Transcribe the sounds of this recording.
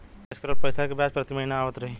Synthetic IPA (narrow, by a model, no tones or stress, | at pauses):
eskəɾoɾpəjsakebjaspɾət̪iməɦinaaːʋət̪ɾəɦi